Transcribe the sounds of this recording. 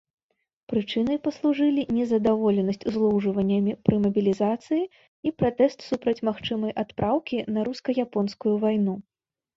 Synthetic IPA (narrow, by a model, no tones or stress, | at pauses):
pɾɨt͡ʂɨnɨjpɐslˠuʐɨlʲinʲɛzɐd̪avɔlʲɛnɐsʲt͡sʲuzlˠɔwʐɨvɐnʲːɐmʲipɾɨmɐbʲilʲizat̪sɨji | ipɾat̪ɛst̪supɾɐt͡sʲmaxt͡ʂɨmɐjʔat̪pɾʔawkʲinɐɾuskɐjapɔnskujuvajnu